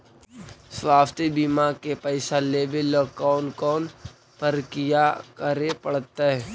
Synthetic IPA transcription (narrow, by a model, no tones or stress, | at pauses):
swaːft̪ibimakepɛɪsaleːbelɔːk̚daːʊnkɔːn | pəɾkijakəɾepəɽt̪aɦɛ